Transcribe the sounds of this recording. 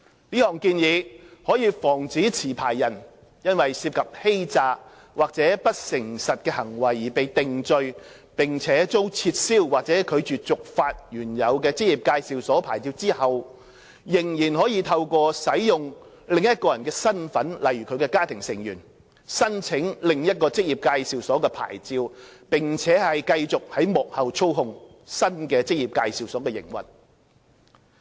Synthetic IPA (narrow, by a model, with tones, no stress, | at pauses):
liː˥hɔː˨ŋkiː˧njiː˨˧hɔː˨˥jiː˨˧fɔː˨˩ŋt͡siː˨˥t͡sʰiː˨˩pʰaː˨˩jːɐ˨˩n | jɐ˥nwɐ˨jsi˧p̚kʰɐ˨p̚he˥jt͡saː˧ | waː˨k̚t͡sɛː˨˥pɐ˥t̚sɪ˨˩ŋsɐ˨t̚kɛː˧hɐ˨˩ŋwɐ˨˩jːiː˨˩pe˨jt̪ɪ˨ŋt͡sɵ˧ɥ | pɪ˨ŋt͡sʰɛː˨˥t͡so˥wt͡sʰiː˧t̚siː˥wwaː˨k̚t͡sɛː˨˥kʰɵ˨˧ɥt͡ʃyː˨t͡sʊ˨k̚faː˧t̚jyː˨˩njɐ˨˧wkɛː˧t͡sɪ˥jiː˨˩p̚kaː˧jsiː˨wsɔː˨˥pʰaː˨˩jt͡siː˧wt͡siː˥hɐ˨w | jɪ˨˩ŋjiː˨˩nhɔː˨˥jiː˧t̪ʰɐ˧wkɔː˧sɐ˨˥jjʊ˨ŋ | lɪ˨ŋjɐ˥t̚kɔː˧jɐ˨˩nkɛː˧sɐ˥nfɐ˨˥nlɐ˨jɥyː˨kʰɵ˨˧ɥkɛː˧kaː˥t̪ʰɪ˨˩ŋsɪ˨˩ŋjyː˨˩n | sɐ˥nt͡sʰɪ˨˥ŋlɪ˨ŋjɐ˥t̚kɔː˧t͡sɪ˥k̚jiː˨p̚kaː˧jsiː˨˧wsɔː˨˥kɛː˧pʰa̰ː˨˩jt͡siː˧wpɪ˨ŋt͡sʰɛː˨˥hɐ˨jkɐ˧jt͡sʊ˨k̚hɐ˨˥jmɔ˨k̚hɐ˨wt͡sʰo˥whʊ˧ŋ | sɐ˥nkɛː˧t͡sɪ˥k̚jiː˨˩p̚kaː˧jsiː˨˧wsɔː˨˥kɛː˧jɪ̰˨˩ŋwɐ̰˨n